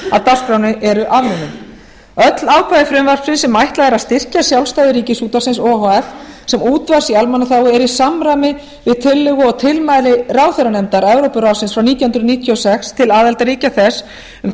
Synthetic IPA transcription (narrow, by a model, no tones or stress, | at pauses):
a̰ðt̪ar̥spɾjawnɪʔɛɾʏʔavɾʏnʏm | œt̪laːwkʰajɪfɾʏmvar̥psɪnsɛmajht̪laðɛɾaðst̪ɪr̥casjawlst̪ajðɪɾiːcɪsuːt̪asɪnsɔːɦɔɛf | sɛmuːt̪vaɾ̥sialmanːaθaːwɪɛɾisamɾajmɪ | vɪðt̪ʰɪlːɪɣʏɔɣt̪ʰɪlmajlɪraːwθɛɾanɛmt̪aɾɛvɾɔwpʏɾawsɪnsfɾawniːt̪jahʏnɾʏðniːt̪ʰjiɔsɛkst̪ʰɪlaːðɛlt̪aɾiːcaθɛs | ʏm